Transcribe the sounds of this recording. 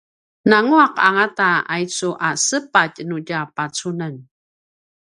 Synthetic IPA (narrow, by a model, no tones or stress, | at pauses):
naŋuaqa̰ŋataajt͡suʔasəpacnuɟapat͡sunan